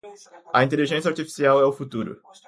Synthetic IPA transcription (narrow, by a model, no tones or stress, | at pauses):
ɐĩnt̪eliʒẽs̬jɐaɾt͡ʃ̪ifi̥siawɛʊfut̪uɾʊ̰